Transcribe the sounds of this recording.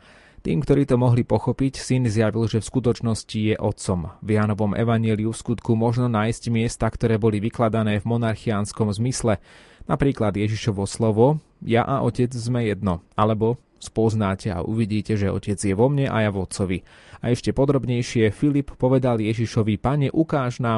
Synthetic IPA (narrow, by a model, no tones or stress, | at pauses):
t̪ḭːmkt̪ɔɾiːt̪ɔmɔɦlipɔxɔpicsinzjaʋilʒɛfskut̪ɔt͡ʃnɔscijɛʔɔt̪sɔmvjanɔʋɔmʔɛ̰ʋaɲɪɛliufskut̪kumɔʒnɔnaːjsɟmɪɛst̪akt̪ɔɾɛːbɔliʋiklad̪anɛːvmɔnaɾxianskɔmzmislɛ | napɾiːklad̪jɛʒiʃɔʋɔslɔʋɔ | jaʔaʔɔcɛd͡zzmɛjɛd̪nɔalɛbɔ | spɔznaːcɛa̰ʔṵʋiɟiːcɛʒɛɔ̰cɛd͡zjɛʋɔmɲɛʔa̰javɔt̪t͡sɔʋi | aɛʃcɛpɔd̪ɾɔbɲɛjʃɪɛfilippːɔʋɛd̪aljɛʒiʃɔʋipaɲɛʔukaːʒnaː